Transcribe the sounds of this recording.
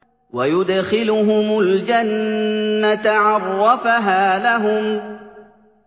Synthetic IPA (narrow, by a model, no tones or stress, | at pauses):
wajʊd̪xɪlʊɦʊmʊld͡ʒanː | at̪ʕɑrˤːɑfaɦaːlaɦʊm